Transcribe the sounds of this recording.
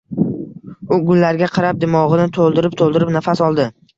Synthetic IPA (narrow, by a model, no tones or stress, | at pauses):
ʊɡʊlːaɾɡʲaqʰɑɾap̚d̪ɪmɒʁɨnɪt̪ʰolˠd̪ɪɾɪp̚t̪ʰolˠd̪ɪɾɪpnafasɒlˠd̪ɪ